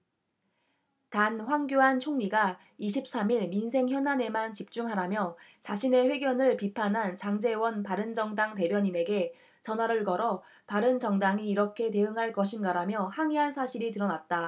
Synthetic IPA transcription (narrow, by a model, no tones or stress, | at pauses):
tanɸwaŋɡjoɦant͡ɕʰoŋɲiɡa | iɕʰip̚s͈amiɭminsʰe̞ŋçjʌnane̞mant͡ɕip̚t͡ɕ͈uŋɦaɾamjʌt͡ɕaɕʰine̞ɸwe̞ɡjʌnɯɭpipʰanɦant͡ɕaŋd͡ʑe̞wʌnpaɾɯnd͡ʑʌŋdaŋte̞bjʌɲine̞ɡe̞ | t͡ɕʌnwaɾɯɭɡʌɾʌ | paɾɯnt͡ɕʌŋdaŋiːɾʌkʰe̞te̞ɯŋɦaɭk͈ʌɕ̬ʰinɡaɾamjʌhaŋiɦansʰaɕʰiɾitɯɾʌnat̚t͈a